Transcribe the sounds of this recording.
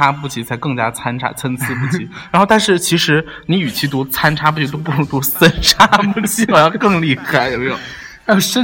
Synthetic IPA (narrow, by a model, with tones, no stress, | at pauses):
a˥pu˥˩t͡ɕʰi˧˥t͡sʰa˧˥ɪkɤ˥˩ŋt͡ɕja̰˥t͡sʰa˥nʈ͡ʂʰa̰˥t͡sʰə˥nt͡sʰɹ̩˥p̬u˥˩i˧˥ɻa˨˧˥nxo˥˧ʊt̪a˥˧nʂɻ̩˥˩t͡ɕʰi˧˥ʂɻ̩˧˥ | ni˧˥y˨˩t͡ɕʰi˧˥˩t̪̬u˧˥t͡sʰa˥nʈ͡ʂʰa˥p̬u˥˩t͡ɕʰi˧˥t̪o˥p̬u˥˩ɤ˧˥ŋt̪u˧˥sə˥nʈ͡ʂʰa˥pu˥˩t͡ɕʰi˧˥ɑ˨˩ʊjɑ˥˧ʊkɤ˥˧ŋli˥˩xa˧˩ɪjo˧˩˦me˧˥jʊ˨˩˦ | ə˥˩ʂə˥